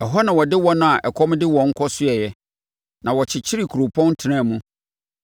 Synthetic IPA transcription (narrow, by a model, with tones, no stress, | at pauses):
ɛ˨ɦɔ˦nã˨wɔ˨dɪ˦wɔ˦nʊ̃˦a˨ʔɛ˨kʰɔ˦m˦dɪ˦wɔ̃˨ŋ̩˦kʰɔ˦sʊ˦ɛ˨jɛ˦ | nã˨wɔ˨t͡ɕʰɪ˨t͡ɕʰɪ˦ɾi˨kʰɾo˨pʰɔ̃˦n˦tʰɪ˨nã˦˨mũ˦